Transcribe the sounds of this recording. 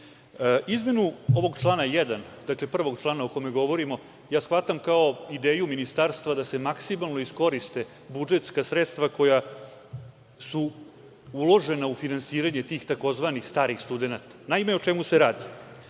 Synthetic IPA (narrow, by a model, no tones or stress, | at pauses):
izme̞nuo̞ʋo̞ɡt͡ʃlˠaːnajɛd̪and̪akle̞pr̩ʋo̞ɡt͡ʃlˠaːnaokomeɡo̞ʋo̞ɾimo̞ | jaːsʋat̪amkao̞id̪eːjuminist̪aɾst̪ʋad̪ase̞maksimalˠno̞isko̞ɾist̪e̞ | bud͡ʒet̪skasɾet̪st̪ʋako̞ja | su | ulˠo̞ʒe̞naufinansiːɾaɲe̞t̪iːxt̪ako̞zʋanixst̪aːɾixst̪ud̪e̞nat̪ḁnaimeot͡ʃɛmuse̞ɾaːd̪i